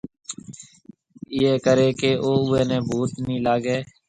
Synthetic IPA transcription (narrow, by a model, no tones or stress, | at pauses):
ɪeːkəɾeːkeːʔoːʊeːnẽːbʱuːt̪nĩːlaːɡeː